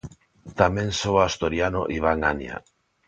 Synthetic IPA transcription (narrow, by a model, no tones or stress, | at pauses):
t̪amẽnsoast̪oɾjano̰ʔiβaŋanja̰